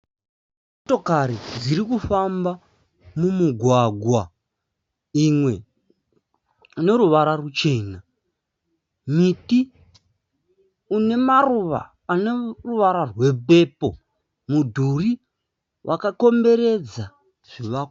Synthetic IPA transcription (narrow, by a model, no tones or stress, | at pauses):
oto̞kaɾid͡ziɾikufamba | mumuɡʱwaɡʱwa | imwe̞ | ine̞ɾuʋaɾarut͡ʃe̞ːna | miti | une̞maruʋa̰ːneruʋaɾarwe̞pe̞po̞ | mudʱuri | wʔakako̞mbe̞ɾe̞d͡za | ʐ̥iʋako